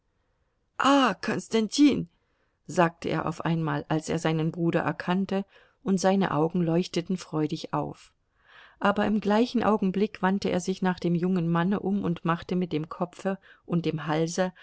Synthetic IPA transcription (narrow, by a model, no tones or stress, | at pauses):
ʔaːkʰɔnstantʰiːn | zaːk̚təʔḛːɐʔa̰ʊfʔaɪnma̰ːlʔalsʔḛːɐzaɪnənbʁuːɾɐ̰ʔɛ̰ɐkʰantə | ʔʊntz̥aɪnə̰ʔa̰ʊɡŋ̩lɔʏçtətn̩fʁ̥ɔʏɾɪça̰ʊf | ʔaːbɐɪmɡlaɪçn̩ʔa̰ʊɡŋ̩blɪkv̥antəʔḛːɐzɪçnaːχd̥eːmjʊŋənmanəʔʊmʊntmaχtəmɪt̚d̥eːmkʰɔpfəʔʊnt̚d̥eːmɦalzə